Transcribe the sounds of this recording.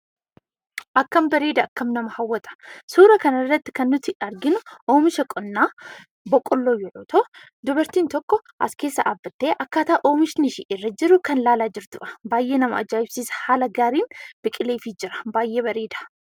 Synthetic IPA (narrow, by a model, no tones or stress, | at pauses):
ʔɐkːɐmbɐɾeːd̪ɐɐkːɐmnɐmɐhɐwːɐt̪ʼɐ̥suːɾɐkɐnɐrːɐt̪ːɪ̥kɐnːʊt̪ɪɐɾɡɪnʊʔoːmɪʃɐkʼɔnːaː | bɔkʼːɔlːoːjʊʕoːt̪ʰoː | d̪ʊbɐɾt̪iːnt̪ɔkːɔʔɐ̰skeːsːɐʔaːbːɐt̪ːe̞ːʔɐkːaːt̪aʔʔo̞ːmɪʃnɪʃɪʔɪrːɐd͡ʒɪɾʊkɐnlaːlaːd͡ʒɪɾt̪ʊʔɐ̥baːjʔe̞ːnɐmɐʔɐ̰d͡ʒaːjɪbsiːshaːlɐɡaːɾiːnb̥ɪkʼɪleːfiːd͡ʒɪɾɐ̥baːjːʔeːβɐɾeːd̪ɐ̥